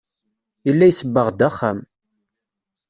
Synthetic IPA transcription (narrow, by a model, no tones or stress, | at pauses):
ilːæjsəbːəʁd̪æχːam